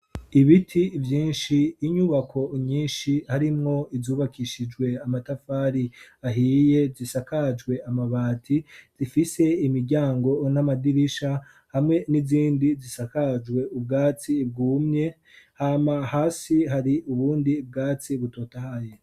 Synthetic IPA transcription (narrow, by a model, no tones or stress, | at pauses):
iβitʰivjiːnʃiːɲuβakʰo̞ɲiːnʃihaɾimŋo̞izuːβakʰiʃid͡ʒɡwe̞amatafaːɾiaɦije̞zisakad͡ʒɡwe̞amaβaːtʰiz̥ifise̞imiɾɟaːŋɡo̞namadiɾiʃa | hamŋe̞niziːndizisakad͡ʒɡwe̞ub̚ɡaːt͡sib̚ɡuːmɲe̞ | haːmahaːsiɦaɾiuβuːndib̚ɡaːt͡siβuto̞ːtahaje